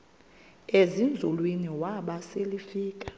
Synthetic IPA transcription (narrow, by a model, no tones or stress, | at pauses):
ezind͡zʱulwiniwaɓaselifiːk̬ʼḁ